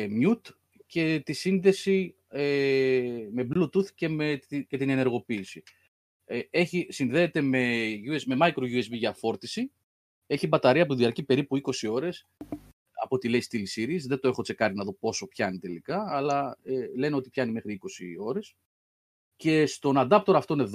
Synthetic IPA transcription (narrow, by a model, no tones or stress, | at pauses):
mjut̪ | ce̞t̪isinðe̞si | me̞blut̪uθce̞met̪ce̞t̪ine̞ne̞ɾɣo̞piːsi | eeçisinðe̞ːt̪e̞me̞ʝuesme̞mɐikɾo̞ʝue̞zbiʝɐːfo̞ɾt̪isi | e̞çibɐt̪ɐɾiɐpot̪iðiɐɾcipe̞ɾipuiko̞sio̞ɾe̞s | ɐ̰pot̪ile̞ist̪ilisiɾisðet̪o̞e̞xot͡se̞kɐɾinɐðo̞po̞so̞pçɐnit̪e̞likɐːlɐele̞neo̞t̪ipçɐnime̞xɾiiko̞sio̞ɾe̞s | ce̞st̪o̞nɐd̪ɐp̚t̪oɾoɐft̪one̞ð